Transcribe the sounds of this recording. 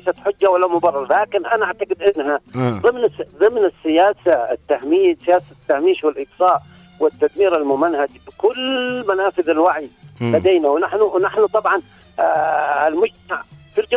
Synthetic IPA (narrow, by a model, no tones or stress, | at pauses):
jsat̪ħʊd͡ʒːawalːamʊbɑrˤːɑɾˤlaːkɪnʔanaʔaʕt̪aqɪd̪ʔɪnːɦaðˤɨmnɪsðˤɨmnɪsːɪjaːsaɪ̰t̪ːahmiːsɪjaːsat̪ːahmiːʃwɪlʔɪɡsˤɑːʔ | wɪt̪ːad̪miːɾalmʊmanhad͡ʒbɪkʊlːmanaːfɪðalwaʕijbad̪eːnawnaħnʊwnaħnʊt̪ˤɑbʕɑn | ɪlmʊd͡ʒt̪aʕfild͡ʒa